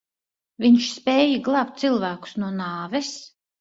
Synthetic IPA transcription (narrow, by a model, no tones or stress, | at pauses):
viɲʃspɛːjiɡlˠaptt̪silˠvæːku̥snuɔnaːvɛs